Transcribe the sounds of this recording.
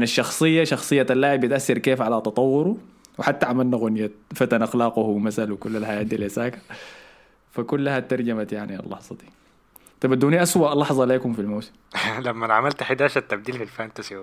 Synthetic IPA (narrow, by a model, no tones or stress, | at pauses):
naʃːɑxsˤɨjːaʃɑxsˤɨjːaalːaːʕibɪt̪ʔasːɑɾkeːfʕalat̪ɑt̪ˤɑwːʊɾu | wɪħat̪ːaʕamalnaɣʊnjafat̪anʔɑxlɑːqʊhmasalwɪkulːalħajaːt̪̚d̪ilʔasaːkḁ | fakulːahat̪ːɑɾˤd͡ʒamat̪jaʕnia̰lːɑ̰ħzˤɑd̪i̥ | t̪ɑbad̪uːniʔaswaʔlːɑħzˤɑleːkumfilmaːsɪ̥mlamːanʕamalt̪ħid̪aːʃat̪ːab̚d̪iːlfilfant̪asi